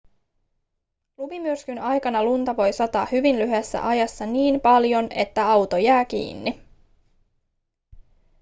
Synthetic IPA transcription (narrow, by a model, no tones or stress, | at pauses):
lupimyrskynɑjkɑnɑlunt̪ɑʋo̞jsɑt̪ɑːhyʋinlyɦæsːæ̰ʔɑjɑsːɑniːmpɑljo̞ne̞̰t̪ːæɑwt̪o̞jæːkḭːnːi